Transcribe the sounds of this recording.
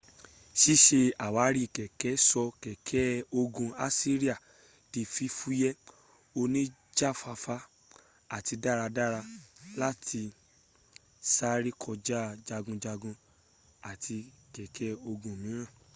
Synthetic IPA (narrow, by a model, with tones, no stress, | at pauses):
ʃi˦ʃe˧a˨wa˨˦ɾi˦˨kɛ˨kɛ˨˦sɔ˧kɛ˨kʰɛ˨˦o˧ɡũ˧a˦si˦ɾi˦a˦˨ | ti˧fi˧fu˦jɛ˦ | o˧nĩ˦ | d͡ʒa˦˨fa˧fa˧˦ | a˨ti˧da˦˨ɾa˧da˦˨ɾa˧la˦tʰi˧ | sa˦ɾi˦kʰɔ˧d͡ʒa˦d͡ʒa˧ɡũ˧d͡ʒa˧ɡũ˧ | a˨tʰi˧kɛ˨kʰɛ˦o˧ɡũ˧˨mĩ˨˦ɾ̃ã˦˨